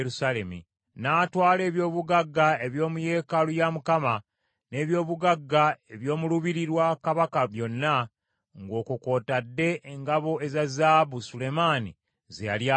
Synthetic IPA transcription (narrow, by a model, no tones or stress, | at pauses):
ɾusalemḭ | naːtwaːle̞ːβjo̞ːβuɡaɡːae̞βjo̞ːmuje̞ːkalujamukama | ne̞ːβjo̞ːβuɡaɡːae̞βjo̞ːmuluβiɾiɾwakaβakaβjo̞nːa | ŋɡo̞ːkuko̞ːtadːe̞ʔeŋɡaβo̞ezazaːβusule̞maːni | zejalja